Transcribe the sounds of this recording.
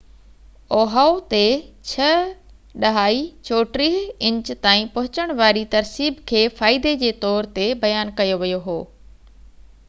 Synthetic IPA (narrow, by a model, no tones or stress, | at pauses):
oːɦaːot̪et͡ɕʰɐ | ɗɐɦaːit͡ɕʰoːʈɾiːɦɪ̃ɲt͡ɕt̪aːĩpɐɦʊt͡ɕəɽ̃ʋaːɾit̪ɐɾsiːbkʰeːfaːɪd̪ed͡ʑeːt̪ɔːɾt̪ebɐjaːnkɐjoʋijoɦoː